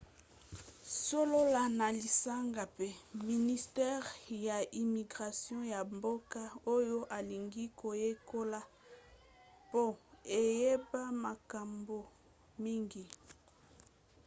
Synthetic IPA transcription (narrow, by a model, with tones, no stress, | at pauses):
so˦lo˦la˨na˨li˨sa˦ŋɡa˨pe˦mi˨ni˨stɛ˦ʁja˨i˨mi˨ɡʁa˨sjɔ̃˦ja˨mbo˦ka˦o˦jo˦ʔa˨li˨ŋɡi˦kʰo˨je˦ko˦la˦ | po˦e˨je˦ba˦ma˨ka˨mbo˨ | mi˦ŋɡi˨